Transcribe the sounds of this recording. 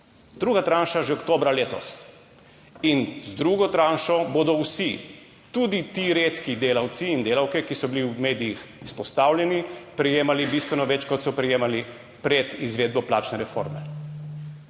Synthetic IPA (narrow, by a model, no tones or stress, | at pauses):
d̪ɾuːɡat̪ɾanʃaʒɛɔkt̪oːbɾaleːt̪ɔ̰s | inzd̪ɾuːɡɔt̪ɾaːnʃɔbod̪ɔwsi | t̪ud̪it̪iɾeːt̪kid̪eːlawt̪siːnd̪eːlawkɛkisɔbiliwmeːd̪iix | ispɔst̪aːwlʲjɛnipɾɛjeːmalibist̪ʋɛnɔʋɛt͡ʃkɔt̪sɔpɾɛjeːmali | pɾɛt̪izʋeːd̪̚bɔplaːt͡ʃnɛɾɛfo̰ːɾmɛ